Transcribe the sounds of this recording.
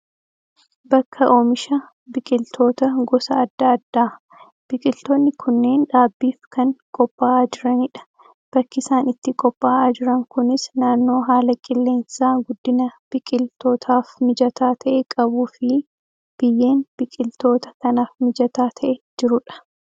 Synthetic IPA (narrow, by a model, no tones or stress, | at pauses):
bɐkʰːɐʔo̞ːmɪʃɐ | bɪkʼɪlt̪ʰo̞ːt̪ɐɡɔsɐːd̪ːɐːd̪ːaː | b̥ɪkʼɪlt̪onːɪkʰʊnːe̞ːnᶑaːbːiːfkɐŋkʼɔpʼːaːaːd͡ʒɪɾɐnɪᶑɐ̥ | b̥ɐkːɪsaːnɪt̪ːɪkʼɔpʼːaːaːd͡ʒɪɾɐŋkʊnɪsnaːnːo̞ːɦaːlɐkʼɪlːe̞ːnsaːɡʊd̪ːɪnɐb̥ɪkʼɪlt̪o̞ːt̪ʰaːfmɪd͡ʒɐt̪aːt̪ʰɐʔɛkʼɐbuːfɪ | b̥ɪjːe̞ːnb̥ɪkʼɪlt̪o̞ːt̪ɐ̥kɐnaːfmɪd͡ʒɐt̪aːt̪ʰɐʔɛd͡ʒɪɾʊᶑɐ̥